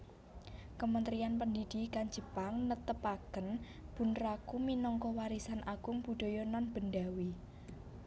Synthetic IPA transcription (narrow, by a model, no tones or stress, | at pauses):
kəmənt̪ɾianpəndid̪̥i̤kan̥d͡ʒ̥ə̤paŋnət̪əpakən | b̥ṳnɾakuminɔŋkɔwaɾisanʔaɡ̥ʊ̤ŋpud̪̥ɔ̤jɔnɔnb̥ə̤nɖawi